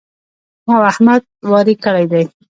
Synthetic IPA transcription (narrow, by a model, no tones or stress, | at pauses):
mɑahmad̪̚wɑɾikəɽajd̪aj